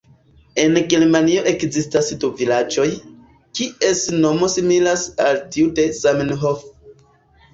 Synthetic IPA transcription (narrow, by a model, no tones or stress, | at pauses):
e̞nɡelmanio̞ʔe̞kzistasduvilad͡ʒo̞j | kiʔe̞sno̞mo̞similasaltiude̞zamenɦof